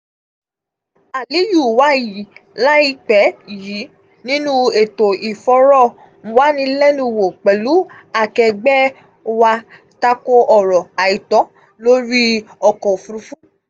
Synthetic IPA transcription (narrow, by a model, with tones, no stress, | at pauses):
a˨li˨˦ju˦˨wa˨˦˨ji˨˦la˦i˧k͡pɛ˨˦˨ji˨˦ | nĩ˦nũ˦e˨to˨i˨fɔ˧ɾɔ˦˨ | mũ˧wa˦nĩ˧lɛ˦nũ˧˨wo˨k͡pɛ˨lu˨˦ | a˧˨kɛ˧ɡ͡bɛ˦ | wa˧ | ta˧ko˧ʔɔ˨ɾɔ˨a˨i˨tɔ˨˦ | lo˦ɾi˦ɔ˨kɔ̃˨fu˧ɾũ˧fũ˦